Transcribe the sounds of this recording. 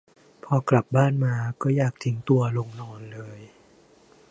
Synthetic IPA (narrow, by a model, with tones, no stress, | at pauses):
pʰɔː˧kla˨˩p̚baː˥˩nmaː˧kɔː˥˩jaː˨˩k̚t̪ʰi˩˦ŋt̪u˧ɐlo˧ŋnɔː˧nlɤː˧j